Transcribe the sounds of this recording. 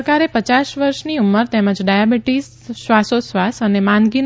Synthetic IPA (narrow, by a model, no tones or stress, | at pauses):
kaɾepət͡ʃaʃʋəɾʃniumːəɾt̪ɛməd͡ʒɖajabiʈisː | ʋasosʋasənemãnɡin